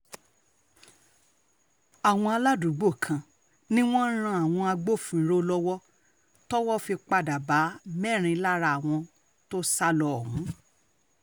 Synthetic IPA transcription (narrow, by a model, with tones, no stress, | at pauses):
a˨w̃ɔ̃˧a˧la˦du˨˦ɡ͡bo˦˨kʰã˨ | nĩ˦w̃ɔ̃˦n̩˦ɾ̃ã˧˦a˨w̃ɔ̃˧a˧ɡ͡bo˦˨fĩ˨˦ɾo˦lɔ˦wɔ˦ | tɔ˦wɔ˦˨fi˧k͡pa˧˨da˨ba˨˦mɛ˦˨ɾ̃ĩ˧˦la˦ɾa˧˨a˨w̃ɔ̃˧ | to˦sa˦lɔ˧˨hũ˨˦